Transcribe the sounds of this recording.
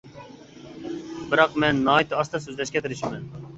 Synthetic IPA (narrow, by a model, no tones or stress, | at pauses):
bɨɾɑqmɛnːɑːit̪ʰɨɑst̪ʰɛsøzlɛʃkʲɛt̪ʰɪɾɪʃimɛn